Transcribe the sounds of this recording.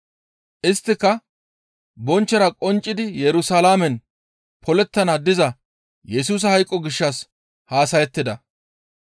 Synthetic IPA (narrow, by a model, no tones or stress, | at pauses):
ʔɪst̪ːɪkːɐ | bɔnt͡ʃːɐɾɐkʼɔnt͡ʃʼːɪd̪ɪjɛɾʊsaːlaːmɛn | pʰɔlɛt̪ːɐnɐd̪ɪzɐ | jɛsuːs̬ɐhɐjkʼːɔɡɪʃːɐs | haːsɐjɛt̪ːɪd̪ɐ